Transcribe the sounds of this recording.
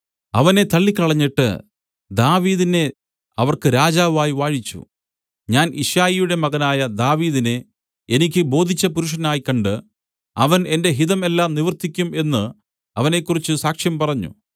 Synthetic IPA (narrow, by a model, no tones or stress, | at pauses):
ɐʋɐne̞t̪ɐɭːikʲːɐɭɐɲːiʈːɨ̰ | d̪aːʋiːðine̞ | ɐʋɐrkɨɾaːd͡ʑaːʋaːjiʋaːɻit͡ɕːṵ | ɲaːnḭʂjaːjijuɽe̞mɐɣɐnaːjɐd̪aːʋiːðine̞ | e̞nikʲːɨbo̞ːd̪ʱit͡ɕːɐpuɾuʂ̬ɐnaːjikːɐɳɖɨ | ɐʋɐne̞nde̞ɦiðɐme̞lːaːmniʋɐrt̪ikʲːume̞nːɨ | ɐʋɐne̞kːurit͡ɕːɨsaːkʂjɐmpɐrɐɲːṵ